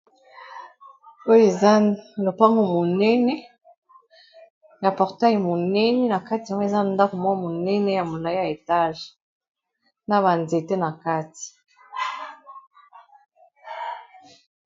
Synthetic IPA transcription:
o˦jo˦e˨za˦lo˨pa˦ŋɡo˨mo˨nɛ˦nɛ˦ | ja˨pɔ˨ʁta˦jmo˨nɛ˦nɛ˦na˨ka˦ti˨a˨ŋɡo˦e˨za˦˨nda˦ko˨mwa˦mo˨nɛ˦nɛ˦ja˨mo˨la˨i˦ja˨e˨ta˦ʒe˨ | na˦βa˨nze˨te˦na˨ka˦ti̥˨

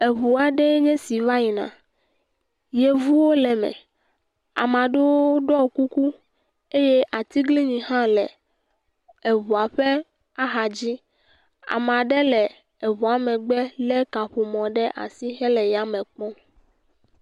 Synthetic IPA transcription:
e˨βu˨a˨ɖe˦ɲɛ̃˦si˨va˦ji˨nã̰˨ | je˨vu˦wo˦lɛ˨mɛ̰̃˨ | a̰˨m˨ã˨ɖe˦wo˦ɖɔ˦˨ku˦ku˦ | e˦je˦ʔa˨t̪i˦ɡli˦ɲĩ˨ɦã˦lɛ˨ | e˨βu˨a˨ɸɛ˦ | a˦ɦa˨d͡ʑi˦ | a̰˨me˨a˨ɖe˦lɛ˨ | e˨βu˨a˨mɛ̃˨ɡ͡bɛ˦lɛ˦ka˨ɸu˨mɔ̃˨ɖɛ˦ʔa̰˨si˦xɛ˦lɛ˨ja˨mɛ̃˨k͡pɔ̃˦

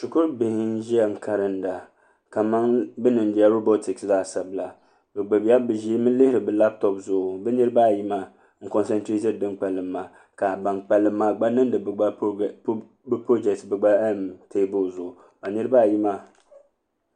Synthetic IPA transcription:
sʊ˨kʊ˦ɾbɪ˨hɪ˦n˦ʒi˦a˦ŋ̩˨kʰa˨ɾɨ˦n̩˦da˨ | ka˨ma˦ŋbɛ˦nɨ˨n˦bi˨˦a˦ɾo˦bo˦tɪ˨ksla˦˨sa˨bla˨ | bɛ˨ɡ͡bɨ˨ba˦bɨ˨ʒi˦e˦mɨ˦lɪ˦hɪ˦ɾɨ˨bɛ˨la˦p̚tɔ˨pzʊ˨ʔʊ˨bɛ˦nɨ˦ɾɨ˦ba˦˨ji˦ma˦˨ | ŋ̩˦kɔ˨nsɛ˦ntɾe˦tɛ˦˨dɨ˦ŋk͡pɛ˨lɨ˨mːa˨ | ka˨ba˨ŋk͡pɛ˨lɨ˨mːaː˨ɡ͡ba˦nɨ˦n˦dɨ˨ba˦ | bpo˦d͡ʒɛ˨k̚tbɛ˨ɡ͡ba˦mte˦bo˦˨zʊ˨ʔʊ˨ | ba˨nɨ˦ɾɨ˦ba˦˨ji˦ma˦˨

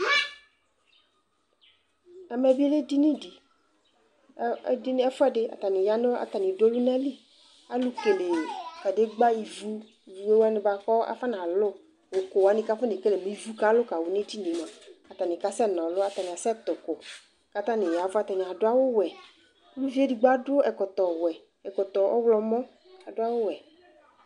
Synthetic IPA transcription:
a˨mɛ˨vi˦e˦le˦di˦nĩ˦di˨˦ | dn˦ɛ˦fʊ˦ɛ˦ɖɪ˦a̰˨t̪a˨nĩ˨ja˦no˦a̰˨t̪a˨nĩ˨do˦lu˦nã˦li˦ | a˦lu˦ke˨le˨ka˨de˦ɡ͡ba˦ji˨vu˦˨ | vu˨e˦wa˦nɪ̃˦ba˨kɔ˦a̰˨fa˦nã˨lʊ˦ | wo˨ko˨wa˨˦nĩ˦ka˦fa˦ne˨ke˦le˨mĩ˨˦vu˦ka˦lʊ˦ka˨wo˨nẽ˦ti˦ne˨mã˨a˨t̪a˨nĩ˨ka˦sɛ˦˨nɔ̃˨lʊ˦a˨t̪a˨nĩ˨a˨sɛ˦t̪ʊ˨ko˨ | ka˦t̪ã˦nɪ̃˨ja˨va˦t̪a˨nĩ˨a˨ɖʊ˦a˦wo˦wɛ˨˦ | lu˦vi˦e˦di˨ɡ͡ba˦dʊ˦ɛ˨kɔ˨t̪ɔ˨wɛ˨ | ɛ˨kɔ˨t̪ɔ˨ʔɔ̰˦wlɔ˦mɔ̃˦ | a˨do˦a˦wo˦wɛ˨

